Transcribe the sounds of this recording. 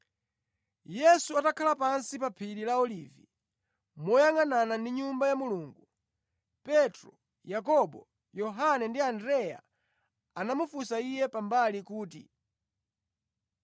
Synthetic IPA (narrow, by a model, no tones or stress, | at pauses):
jɛsuatakʰalapansipapʰiɾilaɔliːvi | mɔjaŋananandiɲumbajamuluːŋɡu | pɛtɾɔ | jakɔɓɔ | jɔɦanɛndiandɾɛja̰ | anamufusaijɛpambalikuːtḭ